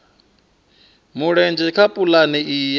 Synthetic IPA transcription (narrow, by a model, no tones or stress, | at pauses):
muɺɛnd͡ʒɛkʰapʼulaniʔij